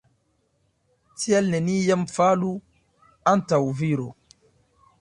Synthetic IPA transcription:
tiɛlnenijamfalu | antawviɾo

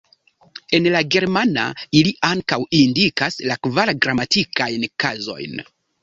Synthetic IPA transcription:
e̞nlaɡe̞ɾmana̰iliʔaŋkawindikaslakvaɾɡɾamatikajnkazo̞̰jn

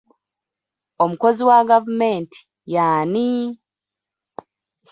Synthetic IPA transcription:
omuko̞ziwaɡavume̞ːnti̥ | jaːni

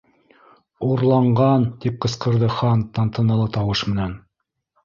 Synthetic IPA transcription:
uɾlˠɑɴɢɑnt̪ip̚qɤ̆sqɤ̆ɾðɤχɑnt̪ɑnt̪ɤ̆nɤ̆lˠɤt̪ɑwɤʃmɘ̆næn

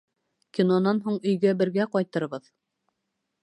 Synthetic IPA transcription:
kʲinonɑnɦuɴɵ̆jɡæbɘ̆ɾɡæqɑjt̪ɤ̆ɾβɤð

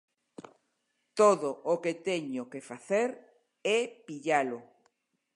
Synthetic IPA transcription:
t̪oðoʔoket̪eɲʊkefaθeɾ | ɛpiʎalo

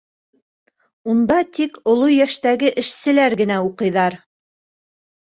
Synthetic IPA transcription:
und̪ɑt̪ikŏlˠojæʃt̪æɡɘʔɘ̆ʃsɘ̆læɾɡɘ̆næuqɤ̆jðɑɾ

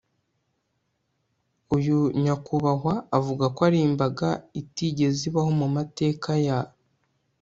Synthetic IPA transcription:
ujuɲakuβaɦwaːvuɡakoaɾiːmbaɡaitiɟe̞ziβaho̞mumate̞ːkaja

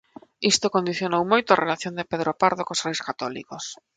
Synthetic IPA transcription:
ist̪okond̪iθjonowmojt̪ʊarʔelaθjond̪epeðɾopaɾðokosrejskat̪ɔlḭkos

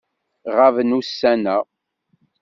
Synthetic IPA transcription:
ʁavənusːænæ

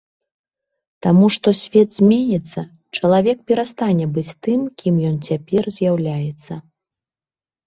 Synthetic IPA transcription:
t̪amuʂt̪ɔsʲvʲɛt̪z̥ʲmʲenʲɛt̪sːɐ | t͡ʂɐlˠavʲɛk̚pʲɛɾast̪anʲɛbɨt͡sʲt̪ɨmkʲimjɔnt͡sʲapʲɛrzʲjawlʲajɛt̪sːɐ

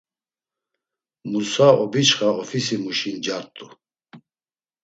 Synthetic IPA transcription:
musaɔbit͡ʃχaɔfisimuʃind͡ʒaɾt̪ʼu

